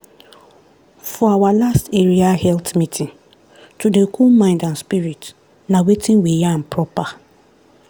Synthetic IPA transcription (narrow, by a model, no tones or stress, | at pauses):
fɔawalasteɹiahɛltmitʰĩn | tudekʰulmãɪ̃ndãnspiɹit | nawetʰĩnwijan̩pʰɹɔpa